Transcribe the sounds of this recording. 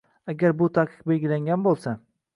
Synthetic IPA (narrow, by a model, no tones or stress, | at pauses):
aɡʲaɾbʊt̪ʰaqʰɨ̥q̚be̞lʲɡʲɪlaŋɡʲanbolˠsa